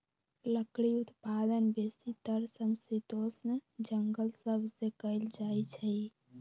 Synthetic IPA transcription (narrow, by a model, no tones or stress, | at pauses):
ləkɽiut̪pad̪ənbesit̪əɾsəmsit̪osnəd͡ʒəŋɡəlsəbʱsekəɪld͡ʒajt͡ʃʰɛj